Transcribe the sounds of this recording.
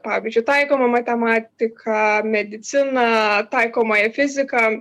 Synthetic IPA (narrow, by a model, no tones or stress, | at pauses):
pɑːʋʲiːzʲd͡ʒʲʊɪt̪ɐɪkoːmɐmɐt̪ʲɛmɑːt̪ʲɪkʰɐmʲɛd̪ʲɪt̪sʲɪnɐt̪ɐɪkoːmɐjɛfʲɪzʲɪkɐ